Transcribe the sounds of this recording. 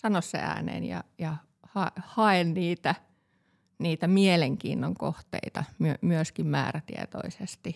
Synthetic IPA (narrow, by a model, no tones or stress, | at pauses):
sɑnossḛæ̰ːnḛːnjɑ̰jɑ | hɑehɑenniːt̪æ | niːt̪æmieleŋkḭːnːoŋko̰ht̪ḛit̪ɑmyømyøskimmæ̰ːræt̪iḛt̪o̰isest̪i